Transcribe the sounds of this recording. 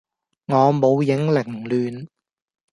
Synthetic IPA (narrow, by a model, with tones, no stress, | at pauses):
ŋɔː˨˧mo˨˧wjɪ˨˥ŋlɪ˨˩ŋlyː˨n